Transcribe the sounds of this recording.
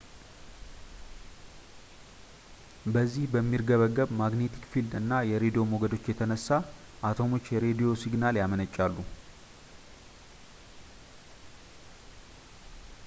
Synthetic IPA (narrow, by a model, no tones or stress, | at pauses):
bəzːihbəmːiɾɡəβəɡːəβmaɡne̞t̪ʰi̥kfild̪ɨnːajɛɾed̪ijo̞mo̞ɡəd̪o̞t͡ʃːjɛt̪ʰənəsːa | ʔat̪ʰo̞mo̞t͡ʃːjɛɾe̞d̪ijo̞siɡnaljamənət͡ʃʼːalːu